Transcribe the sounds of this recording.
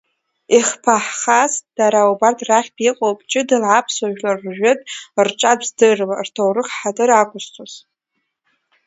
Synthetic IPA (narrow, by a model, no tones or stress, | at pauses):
iχpʰaħχasd̥aɾaubartʰʼraχʲbiqʼowpʼt͡ʃʼɪdɨlʕapʰswaʒᶣlarːʒᶣetʼrʈ͡ʂʼadzdɨrlartʰowrɨχħadʼɨɾakʷʰʼʊst͡sʰʼoz